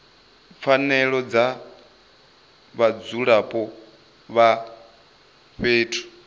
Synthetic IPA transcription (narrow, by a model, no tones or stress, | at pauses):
p̪fanɛɺɔd͡za | βad͡zuɺapʼɔ | βa | ɸeːtʰu̥